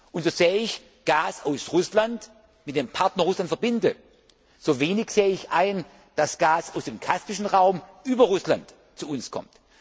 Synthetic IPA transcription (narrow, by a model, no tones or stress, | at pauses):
ʔʊntz̥oːz̥eːəɪç | ɡ̥aːsaʊsʁʊslant | mɪt̚d̥eːmpʰaɐtnɐʁʊslantfɐbɪndə | z̥oːveːnɪçz̥eːəɪçʔaɪn | d̥asɡ̥aːsaʊsd̥eːmkʰaspɪʃn̩ʁaʊmʔyːbɐʁʊslant | t͡suʊnskʰɔ̰mt